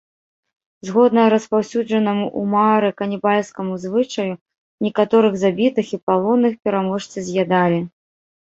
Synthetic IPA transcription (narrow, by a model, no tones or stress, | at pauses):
zɣɔd̪nɐɾɐspawsʲud͡ʐɐnɐmuʔumaɾɨkɐnʲibalʲskɐmuzvɨt͡ʂɐju | nʲɛkat̪ɔɾɨɣzabʲit̪ɨxipalˠɔnːɨxpʲɛɾamɔʂt̪sɨzʲjad̪alʲi